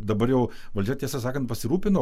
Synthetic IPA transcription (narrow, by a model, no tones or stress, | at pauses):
d̪ɐbɐɾjɛʊ | ʋɐlʲd͡ʒʲɛt̪ʲiɛsɐs̬ɑːkɐnt̪̚pɐsʲɪɾuːpʲɪnoː